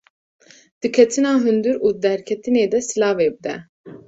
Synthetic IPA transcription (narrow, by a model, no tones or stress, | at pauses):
d̪̥ikʰɛt̪ʰinaɦynd̪yɾud̪æɾkʰɛt̪ʰined̪ɛsilaːveb̚d̪ɛ